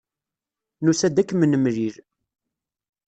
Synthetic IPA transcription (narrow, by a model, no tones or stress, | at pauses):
nusæd̪ækːmənəmɾiɾ